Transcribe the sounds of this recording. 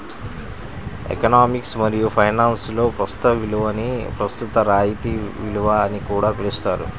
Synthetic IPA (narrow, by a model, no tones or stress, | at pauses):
ḛkɐnaːmiksmɐɾijupʰɐjnaːnslo̞ːpɾɐst̪u̥t̪ɐʋiluʋɐnipɾɐst̪ut̪ɐɾaːjit̪iʋiluʋɐːnikuːɽaːpelust̪aːɾṵ